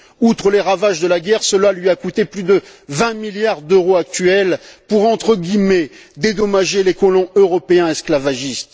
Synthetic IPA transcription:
ut̪χəleʁavaʒd̪əlaɡʲɛʁsəlalɥiakut̪eplyd̪əvɛ̃miljaʁd̪øʁoak̚t̪ɥɛlpuʁɑ̃t̪χəɡʲimɛd̪ed̪ɔmaʒelekɔlɔ̃øʁɔpeɛ̃ɛsklavaʒist̪

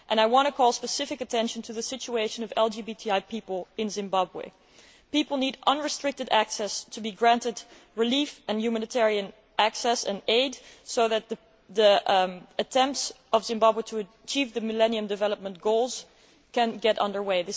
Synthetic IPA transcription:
ʔɨ̃naɪwɑ̃ntɨkʰɔlˠspɨsɪfɨkɨtʰɛ̃nʃn̩tʰɨðɨsɪt͡ʃueɪʃɨ̃nʌvɛlˠd͡ʒibitʰiaɪpipl̩ˠɨ̃nzɨ̃mbɑbwḛɪ | pipl̩ˠniɾʔʌ̃nɹɨstɹ̥ɪk̚tɨɾæksɛstʰɨbiɡɹæ̃ntɨd | ɹɨlifɨ̃njʉmænɨtʰɛɹiɨ̃n | ʔæksɛsɨ̃neɪdsoʊðɨt̪̚ð | ðiɨtʰɛ̃mp̚ts | ʌvzɨ̃mbɑbwɨɾʰɨɨ | t͡ʃʰivðɨmɨlɛ̃niɨ̃mdɨvɛlˠəp̚mə̃nɡ̥oʊlˠz̥ | kʰɨ̃nɡɛɾʔʌ̰̃ndə˞weɪðɪ

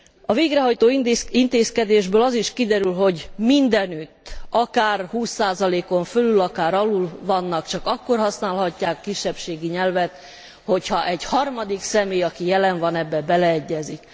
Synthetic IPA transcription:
ɒveːɡɾɛɦɒjt̪oːint̪eːskɛd̪eːʒbøːlɒziʃkid̪ɛɾylɦo̞ɟmind̪ɛnyt̪ːɒkaːrhuːsːaːzɒleːko̞ɱfølylɒkaːɾɒlulvɒnːɒkt͡ʃɒkɒkːorɦɒsnaːlɦɒcːaːkːiʃːɛpʃeːɡiɲɛlvɛt̪ | ho̞chɒʔɛɟhɒrmɒd̪iksɛmeːjɒkijɛlɛɱvɒnɛbːɛbɛlɛɛɟːɛzik

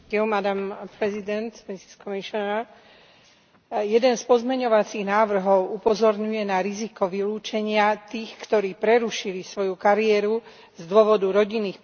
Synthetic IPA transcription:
ɛmad̪ampɾɛzid̪ɛnt̪misi̥skɔmiʃɔna | jɛd̪ɛnspɔzmɛɲɔʋat͡siɣnaːʋr̩ɦɔʊupɔzɔɾɲujɛnaɾizikɔʋiluːt͡ʃɛɲɪat̪iːxkt̪ɔɾiːpɾɛɾuʃilisʋɔjukaɾiɛɾu | zd̪ʊɔʋɔd̪uɾɔɟinːiːx

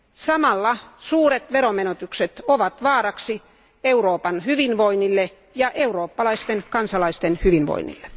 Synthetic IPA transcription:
sɑmɑlːɑsuːret̪ʋeromenot̪ykset̪oʋɑt̪ʋɑːrɑksi | euroːpɑnhyʋinʋoinːilːe | jɑʔeuroːpːɑlɑist̪enkɑnsɑlɑist̪enhyʋinʋo̰inːḭlːe

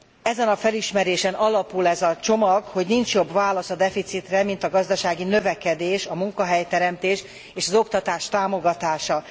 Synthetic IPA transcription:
ɛzɛnɒfɛliʃmɛɾeːʃɛnɒlɒpulɛzɒt͡ʃo̞mɒɡho̞ɟnint͡ʃjo̞bvaːlɒsɒd̪ɛfit̪sit̪rɛmint̪ɒɡɒzd̪ɒʃaːɡinø̞vɛkɛd̪eːʃɒmuŋkɒɦɛjt̪ɛɾɛmt̪eːʃ | eːʃɒzo̞kt̪ɒt̪aːʃt̪aːmo̞ɡɒt̪aːʃɒ

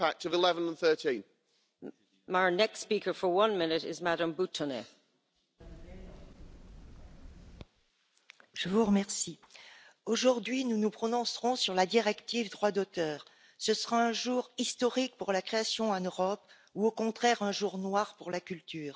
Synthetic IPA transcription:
ak̚təvɪlɛvə̃nə̃nθɜˑtĩn | maɹnɛkstspiˑkə˞fə˞wʌ̃nmɪnɪtɪ̰zmaɾə̃mbutʰənḛ | ʒ̥əvuʁəmɛʁsi | oʒuʁd̪ɥinunupχɔnɔ̃sʁɔ̃syʁlad̪iʁɛkt̪ivd̪ʁwad̪ot̪œːʁ | səsəʁaɛ̃ʒuʁist̪ɔʁik̚puʁlakχeasjɔ̃ɑ̃nøʁɔp | uokɔ̃t̪χɛʁɛ̃ʒuʁnwaʁpuʁlakʲylt̪yːʁ

